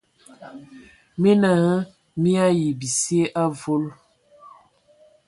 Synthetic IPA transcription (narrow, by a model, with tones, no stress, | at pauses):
mi˦na˨hə˦ | mi˦a˦ji˨bi˨si˦e˦ʔa˦vo˦l